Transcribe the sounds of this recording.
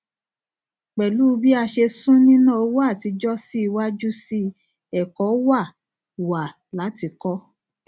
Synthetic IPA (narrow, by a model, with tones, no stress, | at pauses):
k͡pɛ˨lu˦˧˦bi˦a˧ʃe˧sũ˦nĩ˦nãː˦˨o˦wa˦˨ti˨˦d͡ʒɔ˦si˦i˧wa˦d͡ʒu˦si˦ | ɛ˦˨kɔ˨˦wa˦˨ | wa˨ | la˨˦ti˧kɔ˦